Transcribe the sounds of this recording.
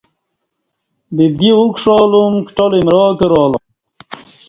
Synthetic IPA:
b̪id̪iukʂoːlumkʈolimɾoːkeɾaːlɐ

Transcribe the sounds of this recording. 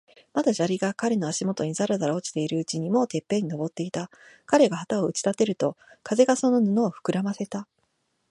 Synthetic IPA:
mad̪aʑaɾʲiɡakaɾe̞no̞aɕimo̞t̪o̞ɲ̟izaɾazaɾao̞t͡ɕi̥t̪e̞iɾɯ̟ɯ̟t͡ɕiɲ̟imo̞ːt̪e̞pːe̞ːɲ̟ino̞bo̞t̪ːe̞it̪a | kaɾe̞ɡahat̪aoɯ̟t͡ɕi̥t̪at̪e̞ɾɯ̟t̪o̞ | kaze̞ɡaso̞no̞nɯno̞ːɸɯ̟̥kɯ̟ɾamase̞t̪a

